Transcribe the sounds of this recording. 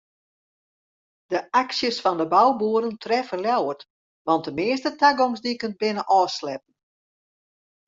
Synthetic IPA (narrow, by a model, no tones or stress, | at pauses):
dəʔaksjəsfɔndəbawbuəɾəntʰrɛfəljawət | ʋɑnt̚dəmɪəs̬tətaɡomsdikənt̚bɪnəʔɔːslɛp̚n̩